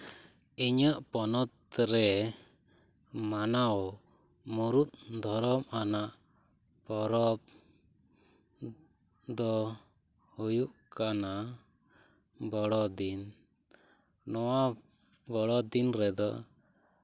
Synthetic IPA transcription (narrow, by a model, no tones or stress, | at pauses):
iɲəʔpɔnɔt̪ɾɛ | manaɔ | muɾut̪̚d̪ʱɔɾɔmanaʔ | pɔɾɔp̚ | d̪ɔ | hujuʔkana | bɔɽɔd̪in | nɔwa | bɔɽɔd̪inɾɛd̪ɔ̰